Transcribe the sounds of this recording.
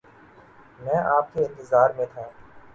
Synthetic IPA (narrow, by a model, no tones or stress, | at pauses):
mɛ̃ːʔaːp̚keːɪ̃nt̪ɪzaːɾmẽːt̪ʰãː